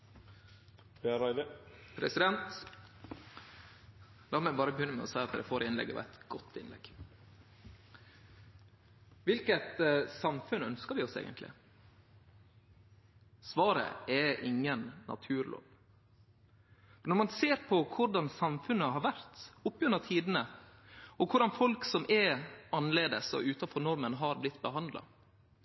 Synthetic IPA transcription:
pʰɾɛsɪd̪ɛnt̪ | d̪ɑːlmɛbɑːɾəbəjʏnːəmɛ̰ɔsæɪɑt̪̚d̪d̪ɛfoːɾɪnlɛ̰ɡːə̰ʋæ̰ɪt̪ɡ̥ɔt̪ʰːɪ̰nlɛ̰ɡ̥ | ʋɪlkət̪sɑmfʉnœnskəɾʋɪɔsḛːɡənt̪ʰlɪ̰ | sʋɑːɾə̰ʔɛʔɪŋːənːʔɑ̰t̪ʰʉːɾlo̰ːʋ | fɔnɔɾmɑnseːɾpʰɔkʰʊɾɖɑnsɑmfʉnːəɦɑɾʋæɾt̪ʊpːjœɾnɑt̪ʰiːd̪nə | ɔkʰʊɖɑnfɔlksɔmʔɛɑnːleːd̪əsɔ̰ʔʉːt̪ɑnfɔɾnɔɾmənɦɑɾblɪt̪ːbəɦɑnd̪lɑ̰

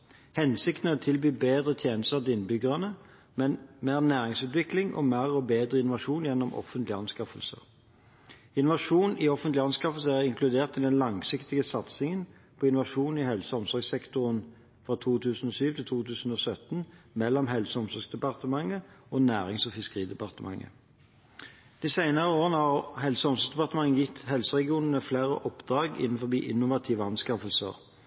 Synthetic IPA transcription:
hɛnsɪkt̪nət̪ʰɪlbyːbeːd̪ʁət̪ʰjeːnəst̪əʁɪnbʏɡəʁənə | mɛnmeːʁnæːʁɪŋsʉːt̪ʋɪklɪŋʔɔ̰mæːʁɔbeːd̪ʁəɪnʊʋɑʂuːnjɛnːɔmʔɔ̰fənt̪lɪɑnskɑfəlsə̰ʁ | ɪnʊʋɑʂuːnɪɔfənt̪lɪɑnskɑfəl̩səæʁɪŋklʉd̪eːʁt̪ɪd̪ɛnlɑŋsɪkt̪ɪɡəsɑt̪sɪŋən | pʰɔɪnʊʋɑʂuːn̩ɪhɛlsəɔmsɔɾɡsɛkt̪ʊʁən | fʁɑːt̪ʰuːt̪ʰʉːsn̩ɔːsyːʋt̪ʰɪlt̪ʰuːt̪ʰʉːsn̩ɔːsœt̪nmɛlːɔmɦɛlsəɔmsɔʁɡsd̪ɛpɑʁt̪əmɑŋːəoːnæːʁɪŋsɔfɪskəʁiːd̪ɛpɑʁt̪əmʔɑ̰ŋːə̰ | d̪̥iːsæɪnəʁəoːʁənəhɑʁhɛlsəɔmsɔʁsd̪ɛpɑʁt̪əmɑŋːənjɪt̪ːhɛlsəʁɛɡɪuːnənəfleːʁə̰ʔɔpd̪̥ʁɑːɡɪ̰nn̩fɔʁbḭːʔɪnːʊʋɑt̪ʰiːʋəɑnskɑfəlsə̰ʁ

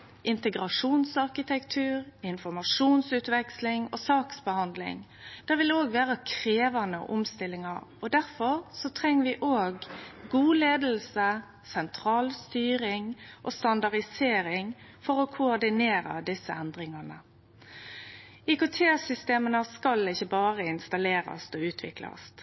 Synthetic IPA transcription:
ʔɪnt̪əɡɾɑʂuːnsɑʁkɪt̪ʰɛkt̪ʰʉːɾɪnfɔʁmɑʂuːnsʉːt̪ʋɛkslɪŋɔsɑːksbəhɑnd̪lɪ̰ŋ | d̪̥ɛʁʋɪloːɡʋæːʁəkʰɾeːʋɑnə̰ʔʊmst̪ɪlːɪŋɑɾɔd̪æɾfɔɾsɔt̪ʰʁɛŋːəʋɪʔoːɡɡuːleːd̪l̩sə | sɛnt̪ʰɾɑːlst̪yːɾɪŋʔɔst̪ɑnd̪ɑʁd̪ɪseːɾɪŋ | fɔɾɔkʰʊɔd̪ɪneːɾɑ̰d̪ɪsːəɛnd̪ɾɪŋɑnə | ɪkʊt̪ʰeːsʏst̪eːmənəskɑlɪçːəbɑːɾəɪnst̪ɑleːɾɑ̰st̪ɔʉːt̪ʰʋɪ̰klɑ̰st̪

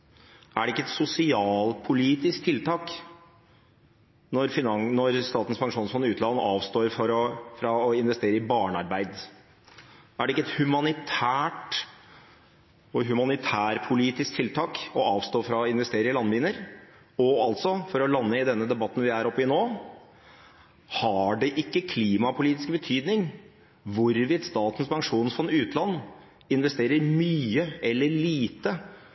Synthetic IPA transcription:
æɖɛɪkːəɛt̪sʊsɪɑːlpʰʊliːt̪ɪskt̪ʰɪlt̪ʰɑːk | nɔɾfɪnnɔɾst̪ɑːt̪n̩spʰɑŋʂuːnsfɔnːɪʉːt̪lɑnəɑːʋst̪oːɾfɔɾɔfɾɑɔɪnʋɛst̪eːɾəɪbɑːɳɑɾbæɪd̪ | æɖɛɪkːəɛt̪hʉmɑnɪt̪ʰæːʈ | ɔɦʉmɑnɪt̪ʰæːɾpʰʊliːt̪ɪskt̪ʰɪlt̪ʰɑːkɔɑːʋst̪oːfɾɑɪnʋɛst̪eːɾəəlɑnːbiːnəɾ | ɔɑlt̪sɔfɔɾɔlɑnːəɪd̪ɛnːəd̪ɛbɑt̪ːn̩ʋɪæɾɔpːəɪnoː | hɑɖɛʔɪkːəkʰliːmɑpʰʊliːt̪ɪskəbət̪ʰyːd̪nɪŋ | ʋʊɾʋɪd̪st̪ɑːt̪ən̩spʰɑŋʂuːnsfɔnʉːt̪lɑnː | ɪnʋɛst̪eːɾəɾmyːəɛlːəɭiːt̪ə

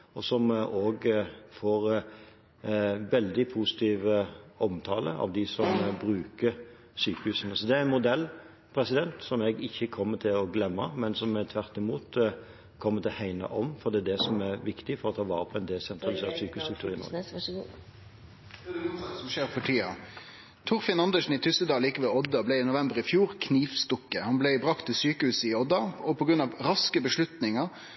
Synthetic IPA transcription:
ɔsɔmoːɡfoːɾ | ʋɛld̪ɪpʰusɪ̥t̪ʰiːʋəɔmt̪ʰɑːlə̰ɑ̰ʋd̪ɪsɔmbɾʉːkə | syːkəhʉːsnəsɔd̪ɛæɾɪnmʊd̪ɛlː | pʰɾɛsɪd̪ɛnt̪sɔmɛɡɪçːəkʰɔmːət̪ʰɪlɔɡlɛmːəmɛnsɔmɛt̪ʰʋæɾt̪ɪmuːt̪ | kʰɔmːəɾt̪ʰɪlhæɪnɑ̰ʔɔmfɔɾd̪ɛæd̪ɛsɔmæɾʋɪkt̪ɪfɔɾɔt̪ʰɑːʋɑːɾəpʰɔɛnd̪ɛsɛnt̪ʰɾɑlɪsḛːʁt̪syːkəhʉst̪ɾʉkt̪ʉːɾɪnɔ̰ɾɡ | sɔmʃeːʁfɔʈʰiːɑ̰ | t̪ʰʊʁfɪnɑnd̪əʃn̩ɪt̪ʰʏsəd̪ɑːiːkəʋɛlɔd̪ːɑblɛɪnʊʋɛmbəʁɪfjuːʁkʰniːʋst̪ɔkːəhɑnblɛɪbʁɑkt̪ʰːɪsyːkəhʉːsɪɔd̪ɑɔpʰɔɡɾʉnɑʋɾɑskəbəʂlʉt̪nɪŋəɾ

